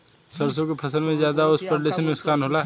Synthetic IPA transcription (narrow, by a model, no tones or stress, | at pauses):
səɾsõkepʰɐsəlmẽzjaːd̪aʊspɾəleːsənʊskaːnɦoːlaɦ